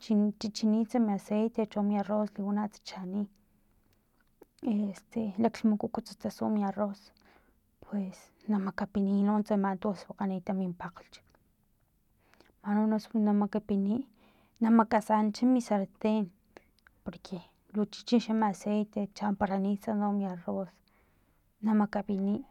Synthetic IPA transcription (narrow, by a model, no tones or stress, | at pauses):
t͡ʃit͡ʃit͡ʃiniːt͡samiasejt̪et͡ʃomiarosliwunaʔt͡sḁt͡ʃani | est̪ʰelakmukukut͡sḁt͡saso̰ʔmiaros | pʰwes | namakapiniːnoʔnt͡samant̪uswaqanit̪amimpaqlt͡ʃ | manonosnamakapiniːʔ | namakasant͡ʃamisaɾt̪eːn | poɾkʰe | lut͡ʃi̥t͡ʃinʃamaasejt̪et͡ʃampaɾanit͡sanomjaros | namakapiniːʔ